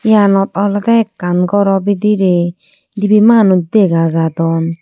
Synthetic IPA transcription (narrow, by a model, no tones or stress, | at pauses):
janɔt̪̚ɔlɔt̪ɛkːanɡɔɾɔbid̪iɾe | dibimanud̪eɡazat̪ɔn